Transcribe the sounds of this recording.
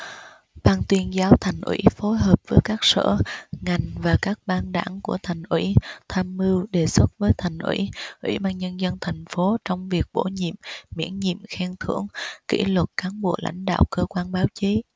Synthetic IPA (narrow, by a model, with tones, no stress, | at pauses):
ɓaː˧nt̪wi˧ənzaː˨˦wt̪ʰa˨˩jŋ̟ʔwḭ˧˥fo˨˦jɦəː˨˩p̚vəː˨˦jkaː˦˥k̚sə̰ː˧˨ŋa˨˩jŋ̟vaː˨˩kaː˦˥k̚ɓaː˧nɗa̰ː˧˩ŋku˧˩ət̪ʰa˨˩jŋ̟ʔwḭ˧˥t̪ʰaː˧mːɨ˧wɗe˨˩swə˦˥t̚vəː˨˦jt̪ʰa˨˩jŋ̟ʔwḭ˧˥ʔwḭ˧˥ɓaː˧nɲə˧nzə˧nt̪ʰa˨˩jŋ̟fo˨˦t͡ɕɔ˧wŋ͡mvi˨˩ək̚ɓo˧˩ɲḭ˧˨əmːḭ˧˥ənɲḭ˧˨əmxɛ˧ŋt̪ʰɨ̰˧˩˥əŋkḭ˧˥lwə˨˩t̚kaː˨˦nɓo˧˩la̰˧˥jŋ̟ɗa̰ː˧˨wkəː˧kwaː˧nɓaː˨˦wt͡ɕi˨˦